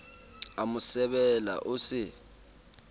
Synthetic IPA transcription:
amusɛɓɛla̰ʔuːsi

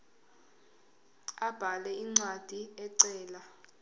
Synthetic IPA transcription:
ab̥ʱalɛiŋ͡ǀwad̥ʱiɛǀɛːla

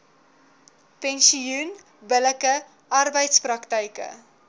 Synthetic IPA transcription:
pɛnsiun | bələkə | ʔɐrbəjtsprɐktəjkə̰

